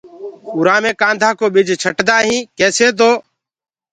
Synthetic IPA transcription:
ʊɾaːmẽːkãːnd̪ʱaːkoːɓɪd͡ʒʱt͡ʃʰəʈd̪aːɦĩːkeːseːt̪̬oː

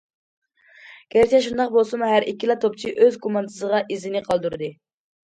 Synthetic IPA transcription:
ɡ̥ʲæɾt͡ʃʰɛʃund̪ɑqbolˠsumuɦæɾʔikʲːilˠɑt̪ʰop̚t͡ʃʰiʔøzɡomɑnt̪ʰɨ̥zəʁɑʔizɪnɪqʰɑlˠd̪uɾɨd̪ɨ

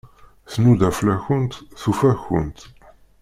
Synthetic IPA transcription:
θnud̪æflæçənt̪θufæçə̰nt̪

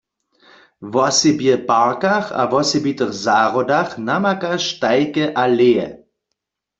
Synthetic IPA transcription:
vɔsebjəpaʁkaχa̰vɔsebitəχzaːʁɔdaχnamakaʃtaɪkəʔaleːə̰

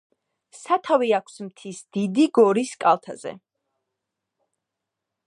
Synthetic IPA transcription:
sat̪ʰaviakʷʰsmt̪ʰisd̪̥id̪iɡɔɾiskʼalˠt̪ʰazɛ̰

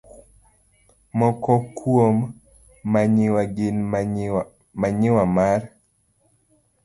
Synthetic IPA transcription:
mɔkɔkʰwomː | aɲɪwaɡɪn | maɲɪwamaɾ

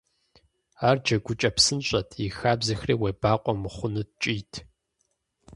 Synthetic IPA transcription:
aːrd͡ʒɐɡʷʊt͡ʃʼɐpsɨnɕʼɐtʰixaːbzɐxriːwebaːqʷʼɔmɨχʷʊnɨt͡ʃʼiːtʰ

